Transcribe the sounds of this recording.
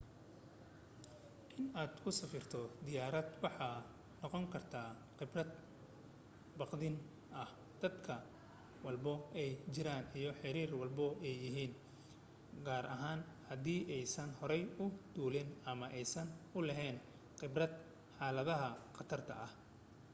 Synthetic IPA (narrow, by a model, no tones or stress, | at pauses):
ʔɪnaːd̪kʰʊsɐfɪrt̪ʰɔd̪ɪjaːɾɐd̪wɑħɑ | nɔqɔŋkʰɐrt̪ʰaː | qɪbrɐd̪ | bɑqd̪ɪn | ʔɐh | d̪̥ɐd̪kʰɐ | wɑlbɔɛjt͡ʃɪɾaːnijɞħɪɾiːrwɑlbɔɛjːɪɦiːn | ɡaːɾʔɐɦaːnhɐd̪iːʔɛjsɐnhɔɾɛjʊd̪̥uːlɪnɐmɐʔɛjsɐnʊlɛɦɛːn | qɪbrɐd̪ | ħɑːlɐðɐɦɐqɑt̪ʰɐrt̪ʰɐ̰ʔɐh